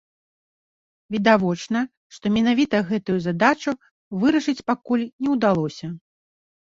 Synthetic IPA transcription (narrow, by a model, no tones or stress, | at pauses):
vʲid̪avɔt͡ʂnɐ | ʂt̪ɔmʲɛn̪avʲit̪ɐɣɛt̪ujuzad̪at͡ʂu | vɨɾɐʂɨt͡sʲpakulʲnʲɛwd̪alˠɔsʲɐ